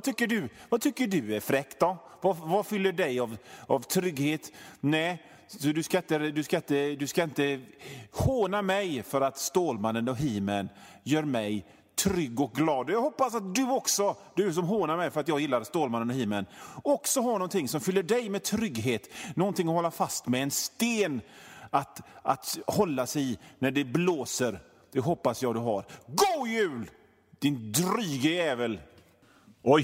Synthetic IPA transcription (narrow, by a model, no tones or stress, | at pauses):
t̪ʰʏkːəɖɵvat̪ʰʏkːəɖɵʉæɾfɾɛkt̪ɔvavafʏlːəɖɛjavavt̪ʰɾʏɡːheːt̪nɛ | sɔd̪ɵskaɪnt̪əd̪ɵskaɪnt̪əd̪ɵskaɪnt̪ə | hoːnamɛjfœɾat̪st̪oːlmanːənɔɦiːmən | jœːɾmɛj | t̪ʰɾʏɡːɔk̚ɡlɑːd̪ɔjɑɡɦɔpːasat̪̚d̪ɵɔksɔd̪ɵs̬ɔmɦoːnaɾmɛjfœɾat̪jɑːɡjɪlːaɾst̪oːlmanːənɔɦiːmənɔksɔɦaɳɔnt̪ɪŋsɔmfʏlːəɖɛjmɛt̪ʰɾʏɡɦeːt̪nɔnt̪ɪŋːɔhɔlːafast̪mɛːnst̪eːnat̪at̪hɔlːasɛjnæɖɛbloːsəɾ | d̪̥ɛɦɔpːasjɑːd̪ɵɦa̰ɾɡujʉ̟ːl | d̪̥ɪnd̪ɾyːɡəjɛːvəl | ɔj